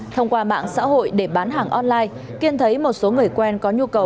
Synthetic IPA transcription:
t̪ʰə˧wŋ͡mkwaː˧ma̰ː˧˨ŋsa̰ː˧˥ɦo̰˧˨jɗe˧˩ɓaː˨˦nɦaː˨˩ŋʔɔ˧nlaː˧j | ki˧ənt̪ʰə˨˦jmo˨˩t̚so˨˦ŋɨ˨˩əjkwɛ˧nkɔ˨˦ɲu˧kə˨˩w

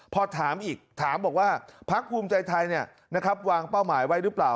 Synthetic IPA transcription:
pʰɔ˧t̪ʰaː˩˦mʔiː˨˩k̚t̪ʰaː˩˦mbɔː˨˩k̚waː˥˩pʰa˦˥k̚ʰːuː˧mt͡ɕa˧jt̪ʰa˧jni˥˩ɐ | na˦˥kʰa˦˥p̚waː˧ŋpa˥˩wmaː˩˦jwa˦˥jɾɯː˦˥plaː˨˩w

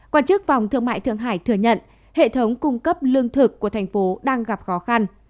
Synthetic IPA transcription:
kwaː˧nt͡ɕɨ˦˥k̚va˨˩wŋ͡mt̪ʰɨ˧əŋma̰ː˧˨t̪ɨ˧əŋɦaː˧˩jt̪ʰɨ˧˩əɲə̰˧˨n | hḛ˧˨t̪ʰə˨˦wŋ͡mkʊ˧ŋ͡mkə˦˥p̚lɨ˧əŋt̪ʰɨ˨˩kːu˧˩ət̪ʰa˨˩ŋ̟fo˨˦ɗaː˧ŋɣa˨˩p̚xɔ˨˦xa˧n

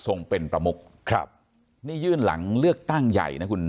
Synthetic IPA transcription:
so˧ŋpe˧npɾa˧mu˦˥k̚ | kʰa̰˧p̚ | niː˥˩jɯː˥˩nla̰˩˦ŋlɯ˥˩ək̚t̪a˥˩ŋja̰˨˩jna˦˥kʰu˧n

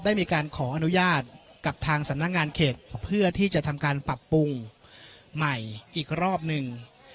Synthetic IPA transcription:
daː˥˩jmiː˧kaː˧nkʰɔː˩˦ʔa˧nu˦˥jaː˥˩t̪̚ka˨˩p̚t̪ʰaː˧ŋsa˨˩˦mna˦˥k̚ŋaː˧nkʰeː˨˩t̪̚pʰɯ˥˩ɐt̪ʰiː˥˩t͡ɕa˨˩ʔt̪ʰa˧mkaː˧npa˨˩pːu˧ŋ | ma˨˩jʔiː˨˩k̚ɾɔː˥˩p̚nɯ˨˧ŋ

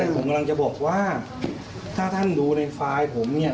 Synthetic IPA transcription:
a˥˩pʰo˩˦ka˧la˧ŋt͡ɕa˨˩bɔː˨˩k̚waː˥˩ | t̪ʰaː˥˩t̪ʰa˥˩nduː˧na˧jfaː˧jpʰo˩˦mni˥˩ɐ

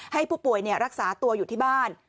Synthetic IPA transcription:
ha˥˩jpʰuː˥˩pu˨˩əjni˥˩ɾa˦˥k̚saː˩˦t̪u˧ɐjuː˨˩t̪ʰiː˥˩baː˥˩n

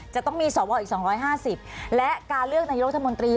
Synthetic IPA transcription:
t͡ɕa˨˩t̪ɔ˥˩ŋmiː˧sɔː˩˦wɔː˧˩ʔiː˨˩ksɔː˩˦ŋɾɔː˦˥jɦaː˥˩si˨˩p̚lɛ˦˥ʔkaː˧nlɯ˥˩ək̚na˧jɾt̪ʰːmo˧nt̪ɾiː˧

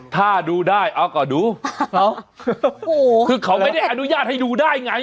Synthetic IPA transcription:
t̪ʰaː˥˩duː˧daː˥˩jʔa˧˥wkɔː˨˩duː˧˥ʔa˦˥w | o˨˩ɯː˧kʰa˦˥wma˥˩jda˥˩jʔa˧nu˦˥jaː˥˩t̪̚ha˥˩jduː˧daː˥˩jŋa˦˥

